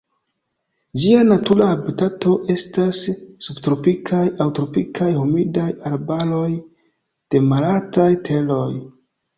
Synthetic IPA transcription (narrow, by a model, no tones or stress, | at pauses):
d͡ʒianatulaabitato̞ʔe̞stasːubtɾo̞pikʰajawtɾo̞pikʰajhumidajaɾbalo̞j | d̥e̞malaltajtʰe̞lo̞j